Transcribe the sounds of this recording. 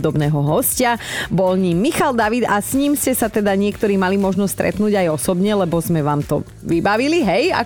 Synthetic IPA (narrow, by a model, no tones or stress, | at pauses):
d̪ɔbnɛːɦɔɦɔscabɔlɲiːmːixald̪aʋid̪asɲiːmscɛsat̪ɛd̪aɲɪɛkt̪ɔɾiːmalimɔʒnɔsst̪ɾɛ̰t̪nuːɟajɔsɔbɲɛlɛbɔzmɛʋaːmt̪ɔ̰ | ʋibaʋiliɦɛja̰